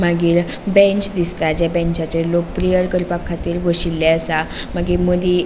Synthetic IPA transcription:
maɡiːɾ | bɛ̃ɲt͡ɕd̪ist̪ad͡ʑjabɛ̃ɲt͡ɕat͡ɕeɾlok̚pɾijəɾkəɾpakʰːat̪iːɾʋəɕilːɛəsamaɡeməd̪i

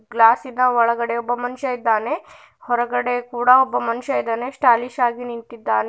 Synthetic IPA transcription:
ɡlaːsid̪ɐɔɭɐɡɐɽeɔbːɐmɐnuʃɐid̪ːaːne | hɔɾɐɡɐɽe̞kuːɽɐɔbːɐmɐnuʃɐid̪ːɐnesʈaːliʃaːɡinint̪id̪ːaːne

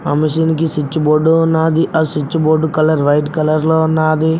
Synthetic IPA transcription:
ɐ̰miʃinik̬isit͡ʃːuboːɖunːaːd̪iʔɐsit͡ʃːuboːɖukɐlɐɾʋɐjʈkɐlɐɾloːnaːd̪i

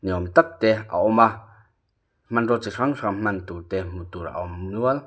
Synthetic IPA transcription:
niomt̪ak̚t̪ea̰ʔoma | m̥manɾot͡ʃiʂaŋʂam̥mant̪ut̪em̥ut̪uɾa̰omnual

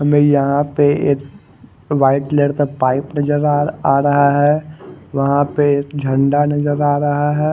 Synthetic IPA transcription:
ɦɐmẽjɐɦãpeeːk | ʋaːɪʈleːɽt̪apaːɪpnɐd͡ʒəɾaaːɾɐɦaɦɛːʋɐɦãpeeːkd͡ʒʱɐ̃ɳɖanɐd͡ʒəɾaːɾɐɦaɦɛː

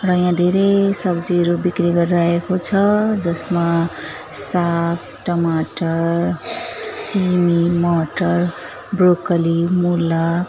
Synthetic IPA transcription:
rʌjãd̪ʱeɾesʌbd͡ziʌɾubikriɡʌɾiɾaekot͡sʰʌd͡zʌsma | sak̪̚ | ʈʌmaʈʌr | simimʌʈʌr | brokʌlimulːa

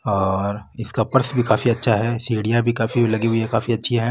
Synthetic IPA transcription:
ɔːɾɪskapɐɾsbʱikaːfiɐtːʃʰaɦɛsiːɽijabʱikaːfiɦlɐɡiɦuiekaːfiɐtːʃʰiɦɛ̃ː

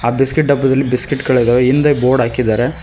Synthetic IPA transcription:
aːbiskiʈ̚ɖɐbːɐd̪ɐlːibiskiʈkɐɭɐd̪aːʋeind̪ɐboːɾɖaːkid̪aːɾe̞

